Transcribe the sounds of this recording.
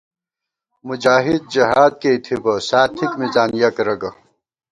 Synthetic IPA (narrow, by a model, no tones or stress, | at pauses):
mud͡ʑaːɦid̪̚d͡ʑɐɦaːd̪̚keit̪ʰibɐsaːt̪ʰikmizaːnjɐkɾɐɡɐ